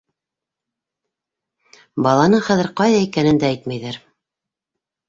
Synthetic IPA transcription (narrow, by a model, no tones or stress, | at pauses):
bɑlˠɑnɤχæðɘɾqɑjðɑikænɘ̆nd̪ææjt̪mæjðæɾ